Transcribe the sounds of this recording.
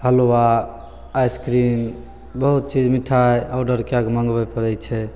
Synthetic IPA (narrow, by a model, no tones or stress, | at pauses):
həlowaː | jskɾin | bəɦut̪̚t͡ʃid͡ʒmiʈʰajaɖəɾkeaɡməŋɡbɛpəɾɛjt͡ʃʰɛ